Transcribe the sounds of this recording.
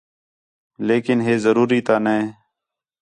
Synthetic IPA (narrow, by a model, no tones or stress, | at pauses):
leːkɪnɦeːzəɾuːɾiːt̪aːnẽː